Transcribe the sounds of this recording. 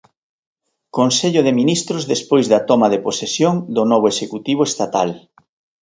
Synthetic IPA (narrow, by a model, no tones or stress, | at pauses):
konseʎʊðeminist̪ɾʊzðespojzðɐt̪ɔmaðeposesjoŋd̪ʊnɔβ̞oeʃekut̪iβ̞oest̪at̪al